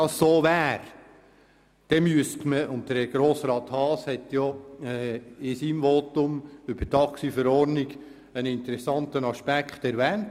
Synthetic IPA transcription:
ɑssoːʋæːɾ | d̥ɛmyəstməʊnt̚dəɡ̥ɾoːsɾɑːt̪hɑːshɛtjɔɛːɪsiːmvɔtʊmʏb̥ətɑksifəɾɔɾnɪɡ̥ | ənɪntəɾɛsɑntənɑʃpækχt̪ɛɾvɛːnt

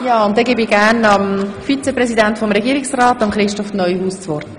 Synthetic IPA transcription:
jaːʊntd̥ɛɡebiɡ̥ænɑmfit͡sɛpɾɛsidæntfɔmɾɛɡiːɾiksraːtːɑmχɾɪʃtɔfnœʏhuːst͡sʋɔɾt

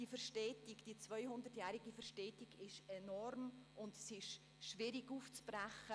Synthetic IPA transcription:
d̥ifəɾʃtɛːtikd̥iːt͡svœʏhʊndərtjæːɾiɡifəɾʃtɛːtiɡɪʃɛnɔrmʊndsɪʃ | ʃvɪɾiɡuːft͡sb̥ræχə

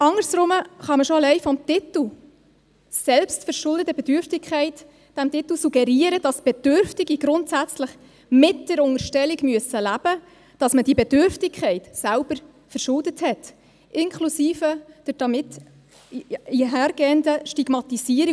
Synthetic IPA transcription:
ɑŋəɾsɾʊməχɑməʃɔəlɛɪfɔmtɪt̪l̩ | sɛlpstfəɾʃʊldətəb̥ɛdʏɾftɪkʰχɛɪt | d̥æmtɪt̪l̩suɡ̥ɛɾiːəɾəd̥ɑsb̥ɛd̥ʏɾftiɡiɡɾʊntsæt͡sləχ | mɪtd̥ɛɾʊŋəɾʃtɛliɡmyəsəlæb̥ə | d̥ɑsməd̥iəbɛd̥ʏɾftɪkʰχɛɪtsælb̥əɾ | fəɾʃʊldəthɛt | ʔɪnkʰlusiːfəd̥əɾd̥ɑmɪt | iɦæːɾɡ̥ɛːəndəʃtiɡ̥mɑt̪isiːɾi

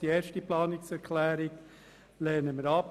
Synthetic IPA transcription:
d̥ieːɾʃtəplɑːnɪksɛɾkʰlɛːɾɪɡ | lɛːnəməɾɑp

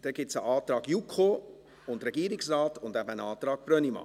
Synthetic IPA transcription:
d̥ɛɡ̥ɪtsəʔɑːt̪ɾɑːɡjukʰχo | ʊntɾɛɡ̥iːɾɪksrɑːtʊndæbəənɑːt̪ɾɑːɡ̥̚b̥ɾœnimɑ̰

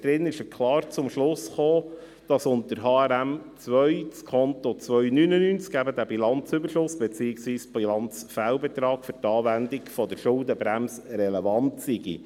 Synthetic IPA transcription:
d̥̪ɾɪnɪʃəkʰlɑːɾt͡sʊmʃlʊsχoː | d̥ɑsʊnt̪əɾɦɑːæɾæmt͡sʋœʏt͡skʰɔnt̪ɔt͡sʋœʏnynənynt͡skæbəd̪æbilɑnt͡sʏbəɾʃʊsb̥ɛt͡siːɪksʋiːsb̥ilɑnt͡sfælbɛt̪ɾɑːkfʏɾtɑːvændikfɔd̪əɾʃʊldəbɾæmsɾɛlevɑntsiɡḭ

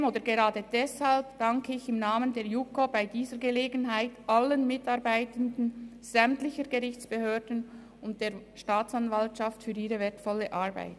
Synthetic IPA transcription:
moːdəɾɡeʁaːdəd̥ɛshalpd̥aŋkʰəɪçɪmnaːməndeːɾjukobaɪdiːzəɾɡəleːɡənɦaɪtʔalːənmɪtɑʁbaɪtəndn̩ | z̥ɛmtlɪçəɾɡəʁɪçt͡sb̥əhøːɾdən̩ | ʊnt̚d̥eːɐʃtaːt͡sanvaltʃaftfyːɾiːʁəvɛːɐtfɔlːəʔaʁba̰ɪt

